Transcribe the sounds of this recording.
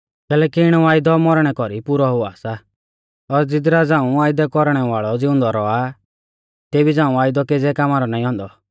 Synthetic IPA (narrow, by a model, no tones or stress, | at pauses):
kɛːlɛːkiɪɽ̃ɔaːjd̪ɔmɔɾɽ̃ɛkɔɾipʊɾɔɦʊaːsa | ɔɾd͡zɪd̪ɾad͡zãːũaːɪd̪ɛkɔɾɽ̃ɛʋaːɭɔd͡zɪʊ̃nd̪ɔɾɔa | t̪eːbid͡zãːũaːjd̪ɔked͡zɛkaːmaːɾɔnaːĩɦɔ̃nd̪ɔ